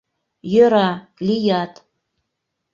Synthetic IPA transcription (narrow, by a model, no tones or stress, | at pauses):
jøɾɑ | lijɑt̪